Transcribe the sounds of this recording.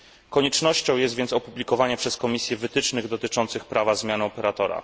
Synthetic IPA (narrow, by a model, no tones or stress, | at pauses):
kɔɲɛt͡ʂnɔɕt͡ɕɔ̃w̃jɛst̪vʲjɛnt̪sɔpublʲikɔvaɲɛpʂɛskɔmʲisʲjɛvɘt̪ɘt͡ʂnɘɣd̪ɔt̪ɘt͡ʂɔnt̪sɘxpɾavazmʲjanɘɔpɛɾat̪ɔɾa̰